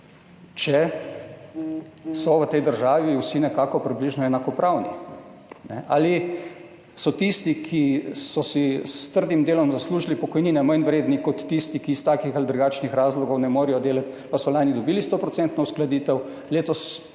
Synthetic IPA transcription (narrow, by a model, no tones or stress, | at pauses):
t͡ʃɛ | sɔʋət̪ɛjd̪əɾʒaːʋiwsinɛkaːkɔpɾibliʒnɔɛnakɔpɾʔawni | nɛ̰ʔa̰li | sɔt̪ist̪ikʰisɔsist̪əɾd̪imd̪eːlɔmzasluːʒilipɔkɔjniːnɛmajnʋɾeːd̪nikɔt̪ːist̪ikist̪aːkixalid̪ɾuɡaːt͡ʃnixɾaːzlɔɡɔwnɛmoːɾijɔd̪eːlat̪ | pasɔlaːnjid̪ɔbiːlist̪oːpɾɔt̪ɛnt̪nɔwsklad̪iːt̪ɛw | leːt̪ɔs